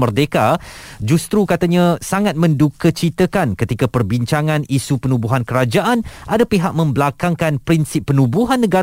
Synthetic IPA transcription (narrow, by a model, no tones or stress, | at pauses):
mərdekad͡ʒust̪ɾukat̪aɲãsaŋat̪̚mə̃ndukət͡ʃit̪əkankət̪ikapərbiɲt͡ʃaŋãnisupənubuɦankəɾad͡ʒaʔanʔadapiɦaʔ̚mə̃mbəlakaŋkanpɾinsɪpːənubuɦanːə̃ɡa